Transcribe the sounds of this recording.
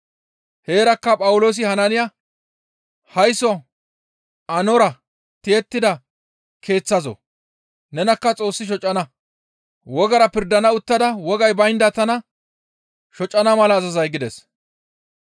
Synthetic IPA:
he̞ːɾɐkːɐpʼɐwʊlo̞ːs̬ɪhɐnɐnɪja | hɐjsɔ | ɐnɔɾɐ | t̪ɪjɛt̪ːɪd̪ɐ | kʰe̞ːt͡sːɐzɔ̰ | nɛnɐkːɐt͡sʼo̞ːsːɪʃ̬ɔt͡ʃʼːɐnɐ | wɔɡɐɾɐpɪɾd̪ɐnɐʊt̪ːɐd̪ɐwɔɡɐjbɐjnd̪ɐt̪ɐnɐ | ʃɔt͡ʃʼːɐnɐmɐlɐːzɐzɐjɡɪd̪ɛs

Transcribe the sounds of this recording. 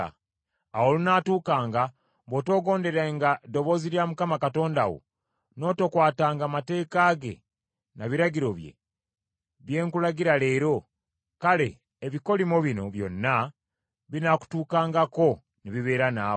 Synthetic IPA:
awolunaːtuːkaːŋɡa | βoto̞ːɡo̞ːnde̞ɾaŋɡado̞βo̞ːziɾjaːmukamakato̞ːndawo̰ | no̞ːtokwaːtaːŋɡamate̞ːkaːɡe̞̰ | naβiɾaɟiɾo̞βje̞̰ | βje̞ːŋkulaɡiɾale̞ːɾo̞ | kale̞̰ː | βiko̞limoβino̞βjo̞̰nːa | βinaku̥tuːkaːŋɡako̞ | niβiβe̞ːɾanaːo

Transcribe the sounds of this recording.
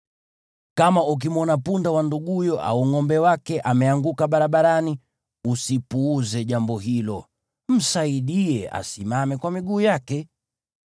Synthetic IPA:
kamauk̬imɔnapundawanduɠujɔʔa̰uŋɔmbɛwakɛʔamɛaŋɡukaɓaɾaɓaɾani | usipuːzɛʄambɔɦilɔ | m̩saiɗiɛa̰simamɛkwamiɡuːjakɛ

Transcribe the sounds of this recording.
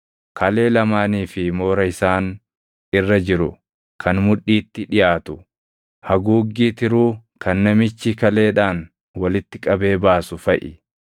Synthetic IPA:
kʰɐle̞ːlɐmaːniːfɪmo̞ːɾɐɪsaːn | ɪrːɐd͡ʒɪɾʊ̰ | kʰɐnmʊᶑːiːt̪ːɪᶑɪjaːt̪ʊ̥ | hɐɡuːɡːiːt̪ɪɾuːkɐnːɐmɪt͡ʃːɪkɐle̞ːᶑaːn | wɐlɪt̪ːɪkʼɐbe̞ːbaːsʊfɐʔɪ

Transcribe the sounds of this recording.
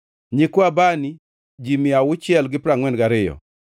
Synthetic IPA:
ɲikwabani | d͡ʒimɪawʊt͡ʃɪɛlɡɪpɾaŋwɛnɡaɾɪjɔ̰

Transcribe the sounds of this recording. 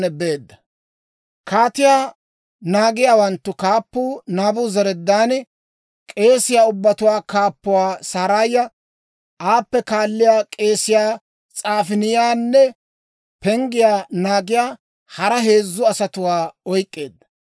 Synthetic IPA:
nɛbe̞ːd̪ːɐ | kaːt̪ɪjaː | naːɡɪjaːwɐnt̪ːʊkaːpːuːnaːbʊzɐɾɛd̪ːaːn | kʼe̞ːsɪjaːʊbːɐt̪ʊwaːkaːpːʊwaːsaːɾajːɐ | ʔaːpːɛkaːlːɪjaːkʼe̞ːsɪjaː | t͡sʼaːfɪnɪjaːnːɛ | pɛŋɡɪjaːnaːɡɪjaː | hɐɾɐɦe̞ːzːʊɐsɐt̪ʊwaːɔjkʼːeːd̪ːɐ̥

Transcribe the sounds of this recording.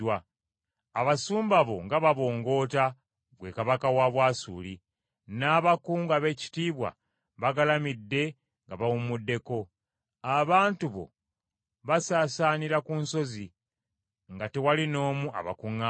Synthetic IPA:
wa | aβasuːmbaβo̞̰ŋɡaβaβo̞ːŋɡo̞ːta | βwe̞kaβakawaβwaːsṵːli | naːβakuːŋɡaβe̞ci̥tiːβwa̰ | βaɡalamidːe̞ | ŋɡaβawumudːe̞ko̞ | aβaːntuβo̞̰ | βasaːsaːniɾakunso̞zi | ŋɡate̞walino̞ːmuʔa̰βa̰kuŋːa

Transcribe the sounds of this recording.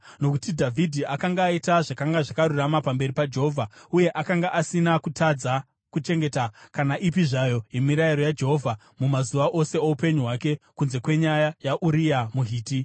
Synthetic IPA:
no̞kutidʱavʱidʱiʔakaŋɡaːitaʐakaŋɡaʐakaɾuramapambe̞ɾipad͡ʒe̞ɦo̞ːvʱauje̞ʔakaŋɡaʔasinakutʰad͡za | kut͡ʃe̞ŋɡe̞takanaʔipiʐajo̞jemiɾaiɾo̞jad͡ʒeɦo̞vʱa | mumazuʋaʔo̞se̞oupe̞ɲuɦwake̞kunze̞kwe̞ɲajajaʔuɾijamuɦiːti

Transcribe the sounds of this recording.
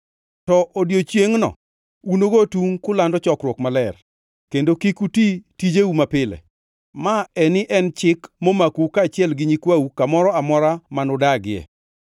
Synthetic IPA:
tɔʔodjot͡ʃjeŋnɔ̰ | unoɡotuŋkʊlandɔt͡ʃɔkɾwɔkmalɛr | kendokikutitid͡ʒeumapɪlɛ̰ | maɛnɪʔɛnt͡ʃɪkmomakukaːt͡ʃɪɛlɡɪɲikwawukamɔɾɔamɔɾamanɔdaɡɪɛ̰

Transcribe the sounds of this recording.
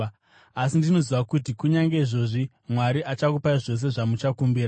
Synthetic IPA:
asindino̞ziʋakut̬ikuɲaŋɡe̞iʐo̞ʐi | mwaɾiʔat͡ʃakupaiʐo̞s̬e̞ʐamut͡ʃakumbiːɾa

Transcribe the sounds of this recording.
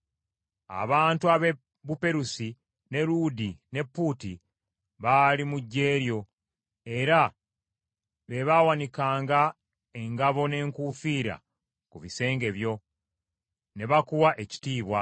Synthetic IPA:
a̰βaːntuaβe | bupe̞ɾusi | ne̞ɾudine̞pːuti | βaːlimuɟːe̞ːɾjo̞ | e̞ɾa | βe̞βawanikaːŋɡa | e̞ŋɡaβo̞ne̞ːŋkufiːɾa̰ | kuβise̞ːŋɡe̞βjo̞ | ne̞βakuwaʔe̞ci̥tiːβwa

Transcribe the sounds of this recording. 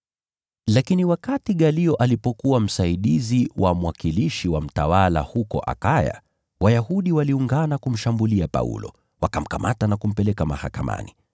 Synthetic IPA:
lakiniwakatiɠaliɔʔalipɔkuwam̩saiɗiziwamwakiliʃiwam̩tawala̰hukɔ̰ʔa̰kaja̰ | wajaɦuɗiwaliuŋɡanakum̩ʃambuliapa̰ṵlɔ̰ | wakam̩kamatanakum̩pɛlɛkama̰hakama̰ni

